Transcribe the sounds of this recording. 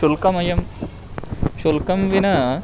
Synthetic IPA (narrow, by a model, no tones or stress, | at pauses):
ulkɐmɐjɐm | ʃulkɐmʋinɐ